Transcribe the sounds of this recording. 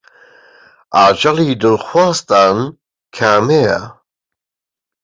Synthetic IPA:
ad͡ʒalidəlxwaːstan | kʰame

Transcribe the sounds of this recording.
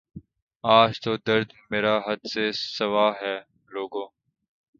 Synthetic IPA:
aːd͡ʒt̪oːd̪əɾd̪meːɾaːɦəd̪seːsəʋaːɦɛː | loːɡõː

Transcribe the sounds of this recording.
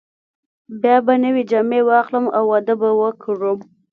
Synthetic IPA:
bjɑbanəwed͡ʒamewɑxləma̰wːad̪əbawəkʰəɾum

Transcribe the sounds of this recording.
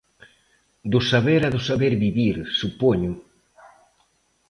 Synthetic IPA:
d̪ʊsaβeɾaðʊsaβeɾβiβiɾsupoɲʊ

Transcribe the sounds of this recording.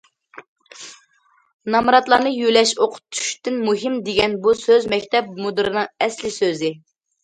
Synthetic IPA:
nɑmɾɑt̪lˠɑnɨjylɛʃoqʰʊ̥t̪ʰːu̥ʃt̪ɪnmuɦɪmd̪eɡʲɛnbusøzmɛkʲt̪ʰɛp̚mud̪ɨɾɨnɨŋɛslɪsøzɪ

